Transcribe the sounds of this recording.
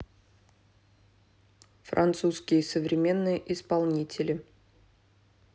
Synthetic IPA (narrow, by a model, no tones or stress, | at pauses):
fɾʔɐ̰nt̪suskʲɪjəsəvɾʲɪmʲe̞nːɨjəʔɪspɐlˠnʲitʲɪlʲɪ